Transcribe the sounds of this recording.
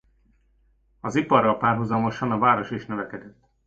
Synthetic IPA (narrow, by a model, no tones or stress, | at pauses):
ɒzipɒrːɒlpaːrɦuzɒmo̞ʃɒnɒvaːɾo̞ʃiʃnøvɛkɛd̪ɛt̪ː